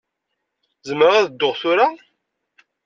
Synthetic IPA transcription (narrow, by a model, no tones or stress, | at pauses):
zəmːəʁaðəd̪ːoʁθʊɾa